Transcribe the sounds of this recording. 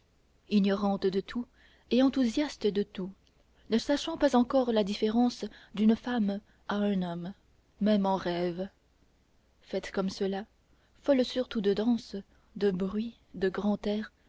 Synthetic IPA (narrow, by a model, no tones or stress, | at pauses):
injɔʁɑ̃t̪d̪ət̪ʰu | eɑ̃t̪uzjast̪əd̪ət̪u | nəsaʃɑ̃pazɑ̃kɔʁlad̪ifeʁɑ̃sd̪ynfam | aɛ̃nɔmː | ɛmɑ̃ʁɛv | fɛt̪kɔmsəla | fɔlsyʁt̪ud̪əd̪ɑ̃s | d̪əbʁɥi | d̪əɡʁɑ̃t̪ɛːʁ